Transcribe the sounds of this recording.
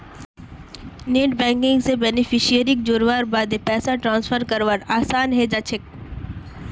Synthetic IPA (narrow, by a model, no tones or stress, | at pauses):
neːʈbɛ̃ːŋkɪ̃ŋɡsebɛnɪfʰɪʃijəɾɪk̚d͡ʒoːɾʋaːɾbaːd̪epɛːsaʈɾãːnsfʰəɾkəɾʋəɾaːsaːnɦed͡ʒat͡ʃʰɪk̚